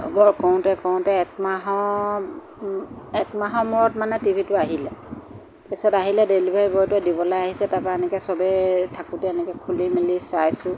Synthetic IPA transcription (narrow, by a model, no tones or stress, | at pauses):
bɔɹkɔw̃tɛkɔw̃tɛk̚maɦɔ | ɛkmaɦɔmuɹɔtmanɛtibʱitʊaɦilɛ | pisɔtaɦilɛdelibʱajbɔjtuɛdibɔlajaɦisɛtapaɛnɛkɛsɔbɛtʰakutɛɛnɛkɛkʰulimilisajsʊ̃